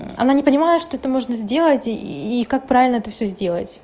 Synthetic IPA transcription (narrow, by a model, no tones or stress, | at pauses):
ɐ̰nanʲɪpənʲɪmajɪt̪ʂt̪oɛt̪əmo̞ʐnəzʲdʲe̞lˠətʲikak̚pɾavʲɪlʲnəɛt̪əfsʲɵzʲdʲe̞lˠə̰tʲ